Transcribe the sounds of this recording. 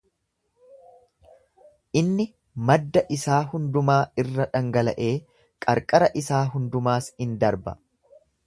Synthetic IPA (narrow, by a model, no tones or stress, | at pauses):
ʔɪnːɪ | mɐd̪ːɐʔɪsaːhʊnd̪ʊmaːɪrːɐᶑɐŋɡɐlɐʔeː | kʼɐɾkʼɐɾɐʔɪsaːɦʊnd̪ʊmaːsɪnd̪ɐɾbɐ̰